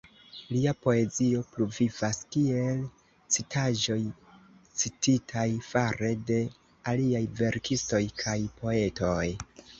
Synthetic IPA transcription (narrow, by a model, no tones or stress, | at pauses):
liapo̞e̞zio̞pluvivaskie̞l | t͡sitʰaʒo̞j | t͡sititʰajfaɾe̞de̞ | aliajve̞ɾkisto̞jkʰajpo̞e̞to̞j